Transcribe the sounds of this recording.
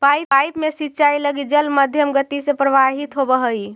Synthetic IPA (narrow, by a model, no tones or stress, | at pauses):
pajajpmesitːt͡ʃailəɡid͡ʒəlməd̪ʱjəmɡət̪isẽpɾəʋaɦit̪ɦobəɦəj